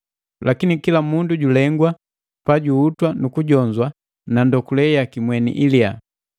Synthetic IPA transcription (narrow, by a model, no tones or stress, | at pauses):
lʔakinikilamunduɟulɛŋɡwa | paɟuːtwanukuɟɔɲd͡ʒwa | nandɔkulɛjakimwɛnḭʔilia